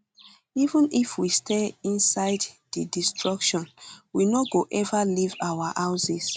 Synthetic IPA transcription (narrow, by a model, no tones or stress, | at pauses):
ivũnifwistʰeĩnsaɪddədistʰɹɔkʃɔ̃nwinoɡoʔɛvalivawahaʊsis